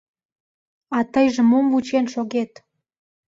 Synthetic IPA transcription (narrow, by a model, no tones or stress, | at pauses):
ɑt̪əjʒə̆momvut͡ɕenʃoɣet̪